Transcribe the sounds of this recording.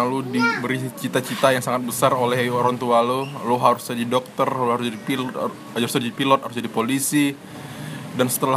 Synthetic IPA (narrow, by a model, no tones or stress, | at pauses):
ludibəɾit͡ʃit̪at͡ʃit̪ajaŋsaŋat̪̚bəsarolɛhoɾaŋt̪ualoloɦaɾusɲadidɔk̚t̪ərlohaɾʊsd͡ʒadipilɔ | d͡ʒaɾusad͡ʒadipilɔt̪̚haɾʊsd͡ʒadipolisi | dansə̥t̪əla